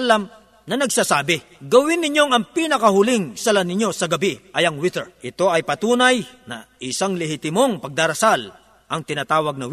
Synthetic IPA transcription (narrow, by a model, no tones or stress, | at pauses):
lɐm | nɐnɐɡsaːsaːbɪ | ɡɐwɪnːɪɲjo̞ŋɐŋpiːnɐkɐhʊlɪŋsɐlɐnɪɲjo̞sɐɡɐbiʔɐjɐŋwɪt̪ɛɹʔɪt̪o̞ʔɐjpɐt̪uːnɐjnɐ̰ʔɪsaŋlɛhɪt̪ɪmo̞ŋpɐɡ̚d̪aːɾɐsal | ʔɐŋt̪ɪnaːt̪aːwɐɡ̚nɐw